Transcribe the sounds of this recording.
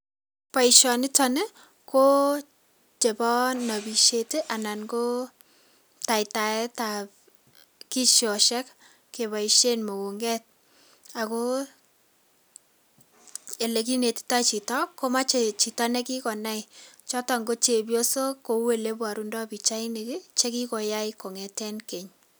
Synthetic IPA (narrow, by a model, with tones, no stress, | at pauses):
pa˨i˨ʃɔ˨nɪ˦tɔ˦nɛ˦ | ko˦ | t͡ʃe˨bɔ˦nnːa˨bi˨ʃe˦te˦ʔa˨na˨nɡo˦ | ta˨ita˨ɛ˦tap | ki˦ʃjɔ˨ʃɛ˦k | ke˨βa˨i˨ʃe˦nmo˨wu˨ŋɡɛ˦t̚ | a˨ko˦ | e˨le˨k̬i˦ne˨tta˦t͡ʃi˨tɔ˦kːo˦ma˦t͡ʃe˨t͡ʃi˨ta˦nɛ˦ki˦kɔ˨na˦it͡ʃɔ˦ta˨ŋɡo˦t͡ʃe˨bjo˦so˦ko˨˦we˨le˦bwa˨ɾu˦ndɔ˦bi˨t͡ʃa˦i˦ne˨kɪ˦t͡ʃe˦ki˦ko˨ja˦ɪko˨ŋɛ˨tɛ˦nke˨ɲ